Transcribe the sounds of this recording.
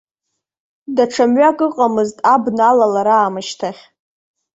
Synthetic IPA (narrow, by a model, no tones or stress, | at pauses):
daʈ͡ʂʰamɥakʼɨqʼamɨztʼabnalalaɾaːmɨʃtʰaχʲ